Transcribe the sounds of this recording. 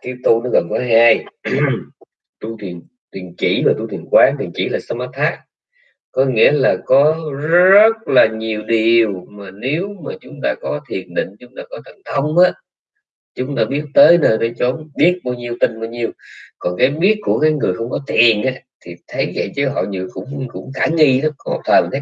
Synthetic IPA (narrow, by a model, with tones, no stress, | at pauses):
kaː˨˦jt̪u˧nɔ˨˦ɣə˨˩nka˨˦ɦaː˧j | t̪u˧t̪ʰi˨˩ən | t̪wi˨˩nt͡ɕḭ˧˩vaː˨˩t̪u˧t̪ʰi˨˩ənkwaː˨˦t̪i˨˩nt͡ɕḭ˧˩laː˨˩sa˧maː˦˥t̪ʰːaː˦˥k̚ | kɔ˨˦ŋḭ˧˥əlaː˨˩kɔ˨˦zzə˦˥t̚laː˨˩ɲi˨˩əwɗi˨˩əwmaː˨˩ne˨˦wmaː˨˩t͡ɕʊ˨˦ŋ͡mt̪aː˧kɔ˨˦t̪ʰi˨˩ənɗḭ̈˧˨ŋ̟t͡ɕʊ˨˦ŋ͡mt̪aː˧kɔ˨˦t̪ʰə˨˩nt̪ʰə˧wŋ͡mʔaː˨˦˨ | t͡ɕʊ˨˦ŋ͡mt̪aː˧ɓi˦˥ət̚t̪əː˨˦jnəː˧˩jɗə˧˩t͡ɕo˨˦nɓi˦˥ət̚ɓaː˧wɲi˧əwt̪ï˧ŋɓaː˧wɲi˧əwkɔ˨˩nkaː˨˦jɓi˦˥ət̚ku˧˩əkaː˨˦jŋɨ˨˩əjxə˧wŋ͡mkɔ˨˦t̪ʰi˨˩ənʔaː˨˦t̪ʰi˨˩t̪ʰə˨˦jzə̰˧˨jt͡ɕə˨˦ɦɔ̰˧˨ɲɨ̰˧˨kʊ̰˧˥ŋ͡mkʊ̰˧˥ŋ͡mkaː˧˩ŋi˧zə˦o̰˨˩p̚t̪ʰəː˨˩˨